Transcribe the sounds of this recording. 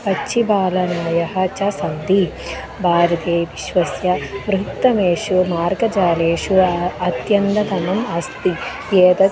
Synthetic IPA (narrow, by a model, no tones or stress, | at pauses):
pɐt͡ʃːt͡ʃʰːibaːlɐnɐjɐɦɐ̆t͡ʃɐsɐnd̪i | bʱaːɾɐd̪eːʋiʃʋɐsjɐʋɾukt̪ːɐmeːʃumaːɾɡɐd͡ʒaːleːʂuɐt̪jɐnd̪ɐd̪ʱɐmɐmɐst̪i | jeːd̪ɐ